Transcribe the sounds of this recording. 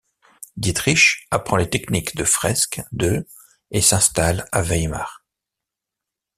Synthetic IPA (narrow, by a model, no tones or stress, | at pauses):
d̪it̪χiʃapχɑ̃let̪ɛknikd̪əfχɛskd̪ø | esɛ̃st̪alavɛjma̰ːʁ